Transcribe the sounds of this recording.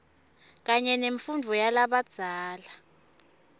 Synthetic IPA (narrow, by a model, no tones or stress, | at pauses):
k̬aɲɛneɱfundʱujalaɓad̥z̥ʱaːla